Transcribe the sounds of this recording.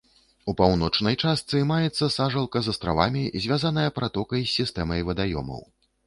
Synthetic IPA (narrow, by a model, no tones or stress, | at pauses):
upawnɔt͡ʂnɐjt͡ʂast̪sɨmajɛt̪sːɐsaʐɐlˠkɐzɐst̪ɾa̰va̰mʲizʲvʲazan̪ɐjɐpɾat̪ɔkɐjsʲːist̪ɛmɐjvɐd̪ajɔ̰mɐ̰w